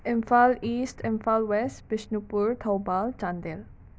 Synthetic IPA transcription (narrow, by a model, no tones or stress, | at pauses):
ʔɛ̃mfalistɛ̃mfalwɛstbiʃnupuɹt̪ʰawbalt͡ʃãnd̪ɛl